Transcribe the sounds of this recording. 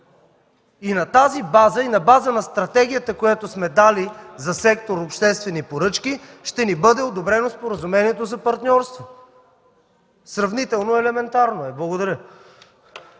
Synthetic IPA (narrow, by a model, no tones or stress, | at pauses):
inɐt̪azibazəinɐbazənɐst̪ɾɐt̪ɛɡ̟ijət̪əkojat̪osmɛd̪alizɐsɛkt̪oɾopʃt̪ɛst̪vɛnipoɾɤt͡ʃki | ʃt̪ɛnibɤd̪ɛod̪obɾɛnospoɾəzumɛniɛt̪ozɐpɐɾt̪nʲɔɾst̪vo | sɾɐvnit̪ɛlˠnoɛlɛmɛnt̪aɾnoɛblˠɐɡod̪ɐɾʲjə